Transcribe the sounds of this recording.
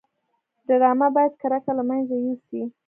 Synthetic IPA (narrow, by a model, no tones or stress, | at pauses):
daɾɑmabɑjad̪̚kaɾakalamanzajusi